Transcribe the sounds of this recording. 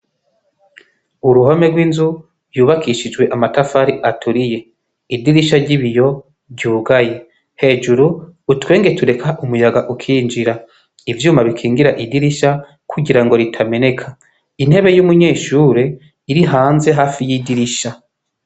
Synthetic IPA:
uɾuɦome̞ɡwiːnzu | juːβakiʃid͡ʒɡwe̞ʔamatafaɾiʔatʰuɾije̞ | idiɾiʃaɾɟiβijo̞ | ɾɟuːɡaje̞ | he̞ːd͡ʒuɾuːtweːŋɡe̞tuɾe̞kʰaʔumujaɡaʔukʰiːnd͡ʒiɾa | ivjuːmaβikʰiːŋɡiɾaʔidiɾiʃa | kʰuɟiɾaŋɡo̞ɾitʰame̞ne̞kʰa | in̥he̞βe̞jumuɲeːʃuːɾe̞ | iɾiɦaːnze̞ɦaːfijidiɾiʃa

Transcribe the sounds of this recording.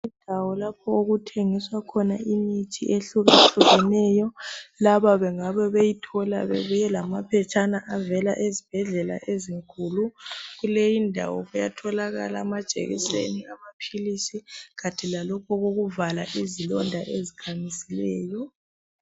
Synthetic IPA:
undʱawɔlapʰɔoɣutʰeŋiswakʰɔnaʔimitʰḭʔeɬuɣɬuɣɛnɛjɔlaβaβɛŋaβɛβejitʰɔla̰βḛβujɛlamapʰɛt͡ʃʼanaʔavɛla̰ʔezib̥ʱɛɮɛla̰ʔeziŋkʼuːluɣulejindʱa̰wɔ̰βujatʰɔlaɣa̰lamad̥ʒ̥ʱḛɣḭsḛniamapʰilisiɣatʰilalɔkʰɔɣoɣuvalaʔizilɔndʱaʔezikʰamisilɛːjɔ

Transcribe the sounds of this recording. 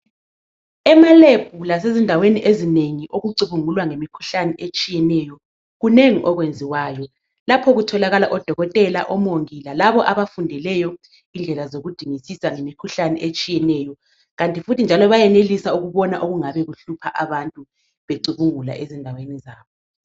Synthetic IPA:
ɛmaleb̥ʱulasezindʱaweniʔezineŋiʔoɣuǀuβuŋulwaŋemikʰu̥ɬanɛʔet͡ʃʼijɛnɛjɔ | ɣuneŋiʔɔɣwend͡zʱiwaːjɔ | lapʰɔɣutʰɔlaɣalaʔɔd̥ʱɔɣɔtʼɛla̰ʔɔmoŋilalaβɔʔaβafundʱilɛjɔ | ind͡ɮʱɛlazoɣud̥ʱiŋisisaŋemikʰuɬanɛʔet͡ʃʼijɛnɛjɔ | ɣantʼifutʰind͡ʒʱalɔβajɛnelisauɣuβɔnaʔoɣuŋaβɛɣuɬupʰaʔaβantʼu | βeǀuβuŋula̰ʔezindʱawenizaːβɔ

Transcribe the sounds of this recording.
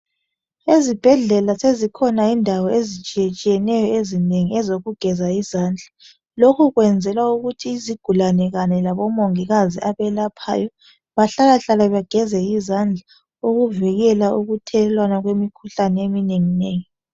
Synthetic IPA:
ezib̥ʱɛɮɛlasezikʰɔnaindʱawɔezit͡ʃʼiet͡ʃʼijɛnɛjɔezineŋiɛzoɣuɡ̥ʱɛzaizaːnd͡ɮʱa | lokʰuɣwɛnd͡zʱɛlwauɣutʰiːziɡ̥ʱulanɛɣaɲɛlaβɔmoŋiɣaziʔaβɛlapʰa̰ːjɔ | βaɬalaɬalaβaɡ̥ʱɛzɛjizand͡ɮʱa | uɣuvɛɣɛlauɣutʰɛlwanaɣwemikʰuɬanɛemineŋineːŋi

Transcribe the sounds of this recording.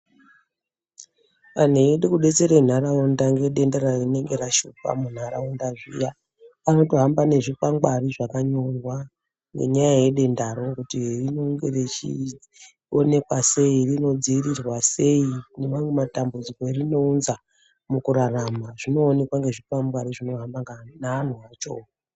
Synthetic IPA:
an̤eeɗikuɗe̞t͡se̞ɾen̤aɾaundaŋɡeɗe̞ndaɾarine̞ŋɡeɾaʃuk̚a̰mun̤aɾa̰undaʐija | ano̞toɦambane̞ʐipaŋɡariʐakaɲorwa | ŋɡe̞̰ɲajaje̞ɗe̞ndaɾo̞kutirinoŋɡeret͡ʃi | one̞kwase̞irino̞d͡ziirirwase̞ine̞mamwematambud͡ziko̞erino̞unza | mukuɾaramaʐino̞ːne̞kwaŋɡe̞ʐipaŋɡaɾiʐino̞ɦambaŋɡanaːn̤uat͡ʃo̞̰

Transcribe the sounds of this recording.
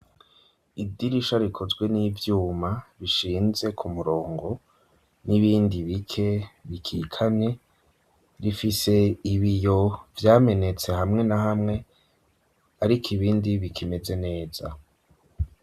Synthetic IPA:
idiɾiʃaɾikʰozɡwe̞niːvjuːmaβiʃiːnze̞kʰumuɾo̞ːŋɡo̞ | niβiːndiβikʰe̞βikʰikʰane̞ | ɾifise̞iβijo̞vjaːme̞ne̞t͡se̞hamŋe̞naɦamŋe̞ | aɾikʰiβiːndiβikʰime̞ze̞ne̞ːz̥a̰

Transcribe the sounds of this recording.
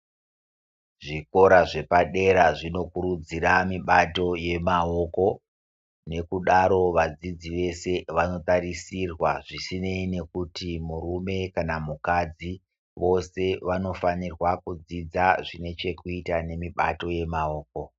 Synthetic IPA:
ʐiko̞ɾaʐe̞paɗe̞ɾaʐino̞kuɾud͡ziramiɓato̞je̞mao̞ko̞ | ne̞kuɗaɾo̞ʋad͡zid͡ziʋe̞se̞ʋano̞tarisirwaʐisineine̞kutimurume̞kanamukad͡zi | ʋo̞se̞ʋano̞fanirwakud͡zid͡zaʐine̞t͡ʃe̞kuitane̞miɓa̰to̞je̞mao̞ːk̚o̞

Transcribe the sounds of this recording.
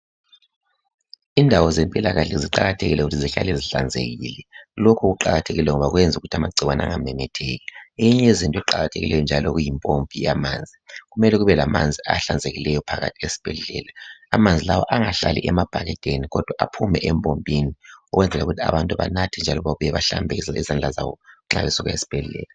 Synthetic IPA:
indʱawɔzempʼilaɣaɬɛziǃaɣatʰeɣilɛɣutʰiziɬa̰leziɬand͡zʱḛɣḭlɛlokʰuɣuǃaɣatʰeɣilɛŋɔβaɣwɛnd͡zʱuɣutʰamaǀʱiwana̰ŋamɛmɛtʰeːɣɛejiɲɛezintʼɔɛǃaɣatʰeɣilɛjɔnd͡ʒʱalɔɣujimpʼompʼijamaːnd͡zʱiɣumɛlɛɣuβɛlamand͡zʱiaɬand͡zʱeɣilɛjɔpʰaɣa̰tʰiesi̥b̥ʱɛɮɛlaːmand͡zʱilawɔ̰ʔaŋaɬalḭʔɛmab̥ʱaɣɛtʼeniɣɔd̥ʱwaʔapʰumɛʔɛmpʼompʼiniɔɣwɛnd͡zʱɛlauɣutʰia̰βantʼuβa̰natʰind͡ʒʱalɔβaβujɛβaɬa̰mbʱɛizand͡ɮʱazawɔ̰uŋ͡ǁa̰βesuɣaesi̥b̥ʱɛlɛ̰la

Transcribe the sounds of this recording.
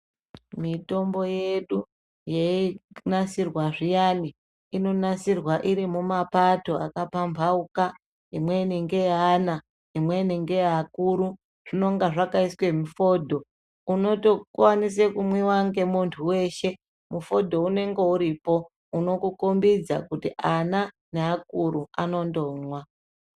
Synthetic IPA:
mito̞mbo̞jeɗu | jeinasirwaʐijani | ino̞nasirwaʔiɾimumapato̞akapampauka | imwe̞niŋɡe̞ana | imwe̞niŋɡe̞akuɾu | ʐ̥ino̞ŋɡaʐakaiswe̞mufo̞ːdʱo̞ | uno̞to̞kwanis̬ekumwiwaŋɡe̞muntʰuwe̞ːʃe̞ | mufo̞dʱo̞une̞ŋɡe̞uɾipo̞ | uno̞kukombid͡za̰kutiʔana | neak̚uɾuano̞ndo̞ːmwa

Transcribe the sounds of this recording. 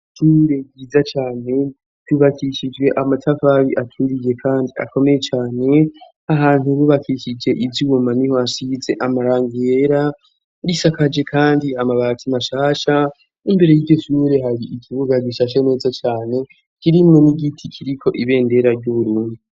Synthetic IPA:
ʃuɾe̞ɡɡiːzat͡ʃaːne̞ | tuβakʰiʃid͡ʒɡe̞ʔamatʰavaβiʔatʰuɾije̞kʰaːndia̰ko̞me̞je̞t͡ʃaːne̞ | aɦaːn̥huβuβakiʃid͡ʒe̞ʔivjumaniho̞asize̞ʔamaɾaːŋɡijeɾa | ɾisakad͡ʒe̞kʰaːndiamaβakʰimaʃaːʃa | imbe̞ɾe̞jiɟo̞ʃuɾe̞ɦaɾiʔikʰiβuɡaɡiʃaːʃane̞ːzat͡ʃaːne̞ | kiɾimŋo̞niɡitʰikʰiɾikʰo̞ʔiβe̞ːnde̞ɾaɾɟuβuɾuːndi

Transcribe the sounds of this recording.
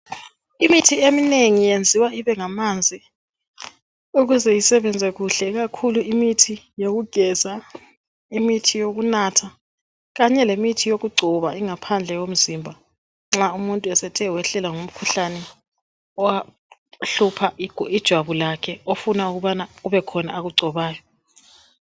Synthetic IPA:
imitʰiemineŋijend͡zʱiwaiβɛŋamand͡zʱi | uɣuzɛjisɛβɛnd͡zʱɛɣuɬɛɣ̬akʰuluimitʰi | joɣuɡ̥ʱɛz̥a | imitʰijoɣunatʰa | ɣaɲɛlemitʰijoɣuɡ͡ǀʱɔβaiŋapʰand͡ɮʱɛwom̩zimbʱa | ŋ͡ǁaumuntʼuɛsɛtʰɛwɛɬɛlaŋum̩kʰuɬanɛ | ɔwa | ɬupʰḁid̥ʒ̥ʱwaβulakʰɛofunauɣuβanauβɛkʰɔna̰ːɣuɡ͡ǀʱɔβaːjɔ

